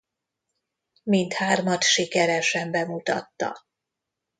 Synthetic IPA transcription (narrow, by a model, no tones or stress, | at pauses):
mint̪haːrmɒt̪ʃikɛɾɛʃɛmbɛmut̪ɒ̰t̪ːɒ̰